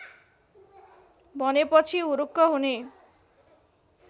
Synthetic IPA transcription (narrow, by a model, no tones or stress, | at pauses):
bɔnepɔt͡ʃʰiuɾukːɔɦune